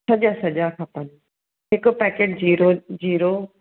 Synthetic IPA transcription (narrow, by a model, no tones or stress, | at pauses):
sɐʄasɐʄakʰaːpɐn | ɦɪkpɛːkeːʈ̚d͡ʑiːɾod͡ʑiːɾo